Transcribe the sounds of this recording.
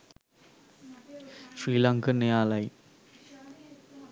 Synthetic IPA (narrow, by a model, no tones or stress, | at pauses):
sɾilaŋkʰɐnejalaj